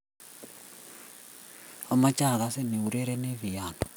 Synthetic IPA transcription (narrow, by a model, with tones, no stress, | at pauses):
a˦ma˦t͡ʃʼa˦˨ɣa˦sɛ˦ni˨u˨ɾɛ˦ɾɛ˦ne˦βi˨jaː˨nɔ˨